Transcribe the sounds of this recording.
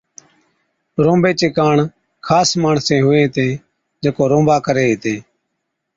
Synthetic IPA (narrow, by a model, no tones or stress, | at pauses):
ɾõːmbeːt͡ʃeːkaːɳ | kʰaːsmaːɳsẽːɦʊẽːt̪ẽː | d͡ʒeːkoːɾõːmbaːkəɾeːɦt̪ẽː